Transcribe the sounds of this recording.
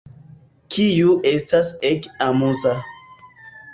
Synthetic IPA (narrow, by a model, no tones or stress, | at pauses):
kʰijuʔestasekamuza